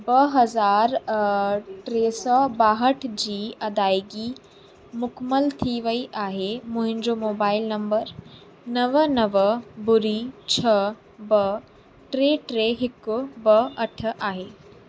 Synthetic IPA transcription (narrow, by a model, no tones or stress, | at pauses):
bɐɦɐzaːɾ | ʈɾeːsɔbaːɦəʈʰd͡ʑiːɐd̪aːjɡi | mʊkməlt̪ʰiʋəiʔaːɦemʊ̃ɦɪ̃ɲd͡ʑomoːbaːɪlnɐ̃mbəɾ | nɐʋənɐʋəbʊɾit͡ɕʰɐ | bɐ | ʈɾeːʈɾeːɦɪkbɐɐʈʰaːɦeː